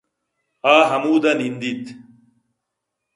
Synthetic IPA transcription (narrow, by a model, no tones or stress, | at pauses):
aːɦɐmuːd̪ɐnind̪it̪